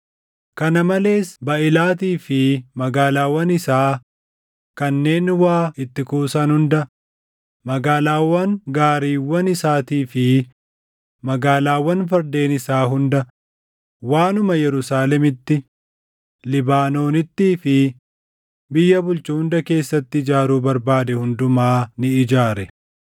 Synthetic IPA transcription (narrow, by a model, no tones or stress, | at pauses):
kɐnɐmɐle̞ːsbɐʔɪlaːt̪iːfɪmɐɡaːlaːwːɐnɪsaː | kɐnːe̞ːnwaːɪt̪ːɪkuːsɐnhʊnd̪ɐ | mɐɡaːlaːwːɐŋɡaːɾiːwːɐnɪsaːt̪iːfɪ | mɐɡaːlaːwːɐnfɐɾd̪e̞ːnɪsaːɦʊnd̪ɐ | waːnʊmɐjɛɾʊsaːlɛmɪt̪ːɪ | lɪbaːno̞ːnɪt̪ːiːfɪ | bɪjːɐbʊlt͡ʃʊhʊnd̪ɐke̞ːsːɐt̪ːɪɪd͡ʒaːɾuːbɐɾbaːd̪ɛhʊnd̪ʊmaːnɪɪd͡ʒaːɾɛ